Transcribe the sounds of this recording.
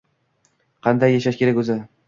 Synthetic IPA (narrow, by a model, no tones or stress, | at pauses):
qʰɑnd̪ajːaʃaʃkʲeɾakʲɵzɪ